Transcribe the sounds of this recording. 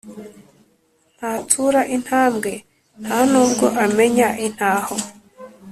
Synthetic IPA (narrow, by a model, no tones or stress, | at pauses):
n̥hatʰuɾaʔin̥haːmɡe̞ | n̥hanuːb̚ɡo̞ʔame̞ɲaʔin̥haːho